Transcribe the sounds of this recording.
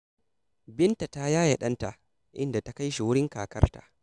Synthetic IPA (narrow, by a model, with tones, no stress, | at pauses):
bɪ˦nta˨ta˦jaː˦ja˨ɗɐ˦nta˨ʔ | ʔɪ̰˦nda˨ta˦ka˦jʃi˨wʊ˦ɽɪ˦ŋkaː˨kɐ̰˦rta̰˨ʔ